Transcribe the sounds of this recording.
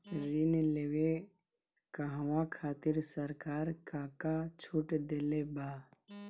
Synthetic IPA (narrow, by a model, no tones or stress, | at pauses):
ɾinleːwe | kaɦʋãkʰaːt̪ɪɾsəɾkaːɾkãːkat͡ʃʰuːʈd̪eːlebaː